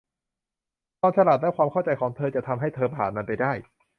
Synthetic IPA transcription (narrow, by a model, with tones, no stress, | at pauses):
t̪ɔː˧nt͡ɕʰa˧la˨˩t̪̚lɛː˦˥˩kwaː˧mkʰa˥˩wt͡ɕa˧jkʰɔː˩˦ŋt̪ʰɤː˧t͡ɕa˨˩t̪ʰa˧mɦa˥˩jt̪ʰɤː˧pʰaː˨˩nma˧npa˧jdaː˥˩j